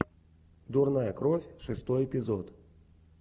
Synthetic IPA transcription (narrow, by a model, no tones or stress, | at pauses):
d̪urnajəkɾofʲʂɨst̪ɔjɛpʲɪzot̪